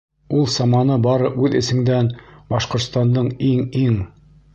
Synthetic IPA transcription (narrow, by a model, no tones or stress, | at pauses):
ulˠsɑmɑnɤbɑɾɤʔʉðɘ̆sɘ̆ŋd̪ænbɑʃqŏɾt̪st̪ɑnd̪ɤɴiŋiŋ